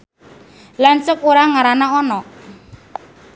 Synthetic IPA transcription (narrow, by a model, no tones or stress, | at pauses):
lant͡ʃək̚uɾaŋaɾanaɔnɔ